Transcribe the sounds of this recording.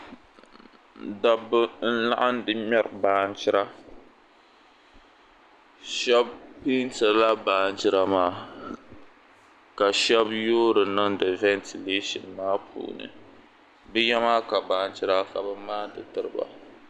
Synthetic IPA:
da˦bɨ˦n̩˦la̰˦ʔa˦ndɨ˦mɛ˦ɾbaː˦nt͡ʃɪ˦ɾa˦ | ʃɛ˦bpi˦n˦ta˨la˦baː˨n˦t͡ʃɪ˦ɾa˦maː˦ | ka˨ʃɛ˦bjoː˦ɾɨ˨nɨ˦ŋdɨ˨vɛ˦ntʰi˨le˦ʃi˨nmaː˦pʰṵː˨nɨ̰˨ | bɨ˦jɛ˦maː˦ka˨baː˨n˦t͡ʃɪ˦ɾa˦ka˨bɨ˦maː˦dɨ˨tɨ˦ɾɨ˦ba̰˨

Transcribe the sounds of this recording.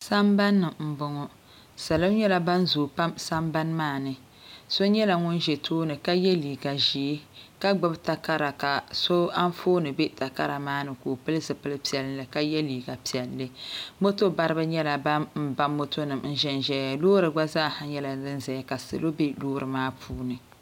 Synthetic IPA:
sa˦mba˦nːɨ˨mm̩˨bʊ˨ŋɔ˦ | sa˨lo˦ɲɛ˦la˦ba˦nzoː˨pa˦msa˦mba˦nmaː˦˨nɨ˨ | so˦ɲɛ˦la˨ŋʊ˦nʒɛ˨tʰoː˦nɨ˨ka˦jɛ˦liː˨ɡa˨ʒi˨˦ka˦ɡ͡bɨ˦bta˨ka˦ɾa˨ka˨so˦a˦n˦foː˦nɨ˨bɛ˦ta˨ka˦ɾa˨maː˦nɨ˨koː˨pɨ˦lɨ˦zɨ˨pɨ˦lɨ˦pi˨ɛ˨lɨ˦lɨ˨ka˨˦jɛ˦liː˨ɡa˨pi˨ɛ˨lːɨ˦mo˦to˦ba˦ɾɨ˦bɨ˦ɲɛ˦la˨ba˦mm̩˦˨ba˦mːo˦tʰo˦nɨ˨mn̩˦ʒɛ˦n˨ʒɛ˦a˨loː˦ɾɨ˨ɡ͡ba˦zaː˦˨ha˦ɲɛ˦la˨dɨ˦nzɛ˨ja˦ka˨sɨ̰˨lo˦bɛ˦loː˦ɾɨ˨maː˦pʰuː˦nɨ˨

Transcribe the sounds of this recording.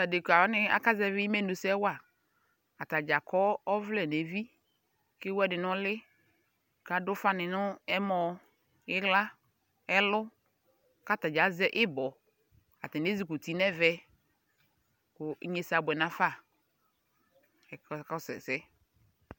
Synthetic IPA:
ta˨de˨ka˨˦nɪ˦a̰˦ka˦zɛ˦vɪ˦mɛ˦˨nu˨sɛ˦wa˨ | a˨ta˨d͡ʒa˨kɔ˦ɔ˦vlɛ˨ne˨˦vi˦ | kɪ˦wɛ˦dɪ˨nʊ˦lɪ˦ | ka˨dʊ˦fa˦nɪ˨nʊ˦ɛ˦mɔ˨˦ | ɪ˦ɣla˦ | ɛ˦lʊ˦ | ka˦˨ta˨d͡ʒa˨˦zɛ˦ʔɪ˦bɔ˨ | a˨ti˨n˨e˦zi˦ku˨ti˨nɛ˦vɛ˦ | kʊ˨˦ɲe˨sa˨bʊ˨ɛ˨nã˨fa˦˨ | ɛ˨kkɔ˦sɛ̰˨sɛ˨˦

